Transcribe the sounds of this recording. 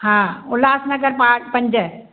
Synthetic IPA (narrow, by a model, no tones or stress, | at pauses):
hãːʊlaːsnɐɡɐɾpaːpɐɲd͡ʒə